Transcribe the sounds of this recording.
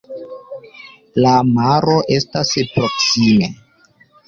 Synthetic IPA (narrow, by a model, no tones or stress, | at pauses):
lamaɾo̞ʔe̞staspɾo̞ksime̞